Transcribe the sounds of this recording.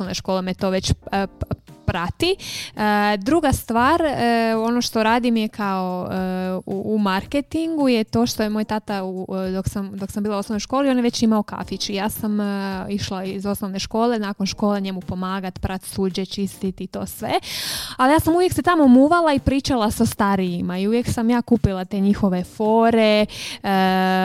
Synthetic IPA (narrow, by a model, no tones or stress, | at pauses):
oʋnoʃko̞ːlemet̪o̞ʋe̞t͡ɕ | pɾat̪iəd̪ɾuɡast̪ʋaːɾəo̞noʃt̪oɾaːd̪imjekʰao̞ | uːmaɾket̪iŋɡujet̪o̞ːʃt̪ojemojt̪at̪aud̪o̞ksamd̪o̞ksambiːlˠaosnoʋnojʃkoːlio̞njeʋe̞t͡ɕimao̞ka̰fit͡ʃijaːsamiʃlaiizo̞snoʋne̞ʃko̞ːle̞naːkonʃko̞ːleɲe̞mupo̞maːɡat̪pɾat̪suːd͡ʑet͡ʃist̪it̪it̪o̞̰ːsʋḛalijaːsamuʋjekset̪amo̞muːʋalaipɾiːt͡ʃalˠasast̪aɾijimaiuʋjeksamjaːkuːpilˠat̪e̞ɲixo̞ʋe̞fo̞ːɾe̞ə